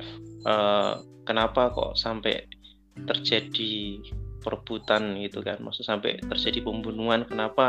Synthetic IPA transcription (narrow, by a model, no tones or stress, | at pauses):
ʔəːkənapakɔ̰ʔsampɛ̰ | t̪ərd͡ʒad̥i | pəɾəb̥ut̪anɡit̪uka̰nmasʊsampɛ̰t̪ərd͡ʒadipəmbunuankənapa